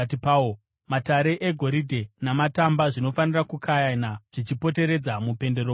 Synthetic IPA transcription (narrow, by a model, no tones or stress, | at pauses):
tipao | mataɾe̞ʔeɡʱo̞ɾidʱe̞namatambaʐino̞fanirakukʰajanaʐ̥it͡ʃipo̞te̞ɾe̞d͡zamupe̞nde̞ɾoː